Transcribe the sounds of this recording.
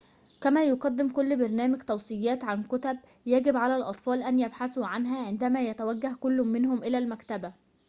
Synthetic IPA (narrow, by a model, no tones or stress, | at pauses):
kæmæːjoqɑd̪ːɪmkolːbɑɾˤnæːmɪɡt̪ɑwsˤɨjːæːt̪ʕankʊt̪æb̚ | jæɡɪbʕalælʔɑt̪ˤfɑːlʔænjæbħasuʕanɦæʕend̪æmæjæt̪æwæɡːæhkʊlːʊmːɪnhʊmʔɪlælmækt̪æbæ